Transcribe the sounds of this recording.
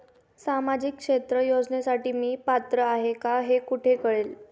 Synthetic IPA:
samad͡ʑikʂet̪ɾəjod͡zɳjasaʈiːmiːpat̪ɾəaɦekaɦekuʈʰekəɭel

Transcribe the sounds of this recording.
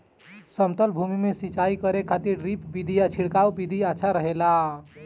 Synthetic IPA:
səmt̪əlbʱumimesit͡ʃaikəɾekʰat̪iɾɾipbid̪ʱijat͡ʃʰiɽkaubid̪ʱiaːt͡ʃʰaɾəɦela

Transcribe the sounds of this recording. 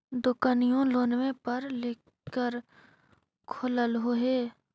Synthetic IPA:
d̪ʊkanijõloːnwẽpəɾle | kəɾ | kʰʊləlɦoːɦeː

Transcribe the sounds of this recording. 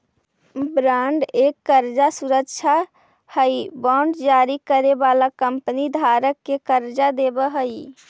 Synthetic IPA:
bɾaɳɖekːəɾd͡ʒasuɾəkʃʰa | həibaɳɖd͡ʒaɾikəɾebalakəmpənid̪ʱaɾəkːekəɾd͡ʒad̪ebəɦəi

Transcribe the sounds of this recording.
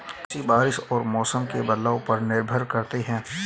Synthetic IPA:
sibaːɾɪʃɔːɾmɔːsəmkebɐd̪laːõpɐɾnɪɾbʱəɾkɐɾt̪eɦɛ̃ː

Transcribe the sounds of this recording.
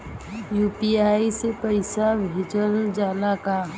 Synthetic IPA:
juːpiaːisepəɪsabʱɪd͡ʒəld͡ʒaːlaka

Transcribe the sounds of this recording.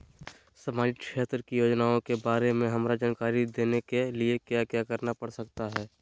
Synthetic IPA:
sɐmaːd͡ʒɪkʃeːt̪ɾəkijoːd͡ʒnaːõkebaːɾemẽɦɐmɾad͡ʒaːnkaːɾid̪eːnekeliekjakjaːkɐɾnapɐɽsɐk̚t̪aɦɛː

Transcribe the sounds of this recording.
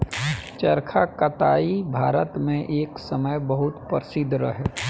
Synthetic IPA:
t͡ʃəɾkʰakɐt̪aːibʱaːɾət̪mẽʔeːksəməjbəɦʊt̪pəɾɪsɪd̪ɾə̰ɦɛ

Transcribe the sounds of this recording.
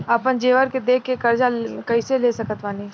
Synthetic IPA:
ɐpənd͡ʒeːʋəɾked̪eːkʰːekɐɾd͡ʒakɐɪseleːsɐkət̪ʋaːni

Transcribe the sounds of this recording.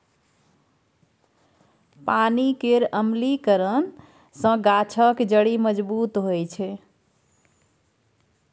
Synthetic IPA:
panikeɾəmlikəɾən | sə̃ɡat͡ʃʰəkd͡ʒəɽiməd͡ʒbut̪ɦojt͡ʃʰɛ

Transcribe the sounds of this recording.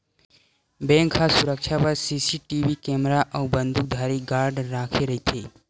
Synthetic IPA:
bẽŋkʰasuɾəkʃʰapəɾsisiʈiʋikɛmɾaʔəwbənd̪ʱuk̚d̪ʱaːɾiɡaːɾɖɾaːkʰeɾəɦit̪ʰeː

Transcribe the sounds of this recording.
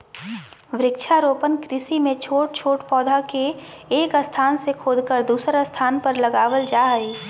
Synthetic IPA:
ʋɾɪkʃʰaɾoːpənkɾɪsimẽt͡ʃʰoːʈ̚t͡ʃʰoːʈpɔːd̪ʱakeːkəst̪ʰaːnsekʰoːd̪ʱkəɾd̪uːsəɾəst̪ʰaːnpəɾlɐɡaːʋəld͡ʒaːiː

